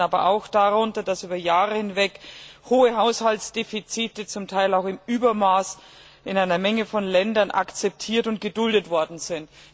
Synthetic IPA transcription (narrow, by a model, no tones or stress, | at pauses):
aːbɐʔaʊxd̥aʁʊntɐdasyːbɐjaːʁəhɪnvɛkhoːəɦaʊshaltsd̥eːfit͡siːtət͡sʊmtʰaɪlaʊxɪmyːbɐmaːs | ʔɪnaɪnɐmɛŋəfɔnlɛndɐnʔa̰kt͡sɛp̚tʰiːɐtʊnt̚ɡ̥ədʊldətv̥ɔɐdn̩z̥ɪnt